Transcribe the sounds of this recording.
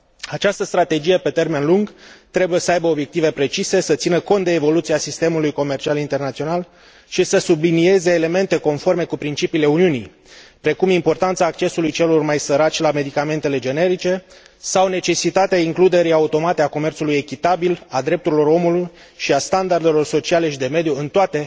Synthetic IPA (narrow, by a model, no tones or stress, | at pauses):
at͡ʃast̪əst̪ɾat̪e̞d͡ʒije̞pe̞t̪e̞rme̞nluŋɡt̪ɾe̞buje̞səajbəo̞bje̞k̚t̪ive̞pɾe̞t͡ʃise̞sət̪sinəko̞nt̪̚d̪eːvo̞lut̪siasist̪e̞mulujko̞me̞rt͡ʃialint̪e̞rnat̪sio̞nal | ʃisəsublinie̞ze̞ːle̞me̞nt̪e̞ko̞nfo̞rme̞kupɾint͡ʃipiːle̞uniunij | pɾe̞kumimpo̞rt̪ant̪saːk̚t͡ʃe̞sulujt͡ʃe̞lo̞rmajsəɾat͡ʃʲlame̞d̪ikame̞nt̪e̞le̞d͡ʒe̞ne̞ɾit͡ʃe̞ | sawne̞t͡ʃe̞sit̪at̪eaiŋklud̪e̞ɾiaut̪o̞mat̪eako̞me̞rt̪suluje̞kʲit̪abilad̪ɾe̞p̚t̪uɾilo̞ɾo̞muluj | ʃiast̪and̪ard̪e̞lo̞rso̞t͡ʃiale̞ʃid̪e̞me̞d̪juɨnt̪oat̪e̞